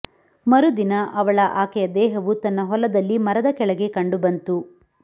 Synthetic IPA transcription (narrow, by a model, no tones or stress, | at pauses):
mɐɾud̪inɐʔɐʋɐɭɐʔaːkɛjɐd̪ɛːɦɐʋut̪ɐnːɐɦɔlɐd̪ɐlːimɐɾɐd̪ɐkɛɭɐɡe̞kɐɳɖubɐnt̪u